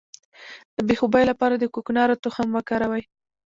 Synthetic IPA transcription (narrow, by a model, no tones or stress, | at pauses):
d̪̥əbexobɑjlapɑɾad̪əkʊknɑɾot̪oxamwəkɑɾawaj